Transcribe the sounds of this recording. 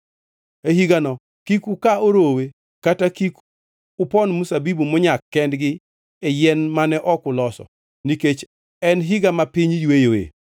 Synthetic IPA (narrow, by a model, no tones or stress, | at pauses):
eɦiɡanɔ | kikukaoɾowe | katakiku | ʊpɔnmusabibumʊɲakːɛndɡɪ | ejɛnmanɛʔɔkʊlɔsɔ̰ | niket͡ʃ | ɛnɦiɡamapiɲjwejoḛ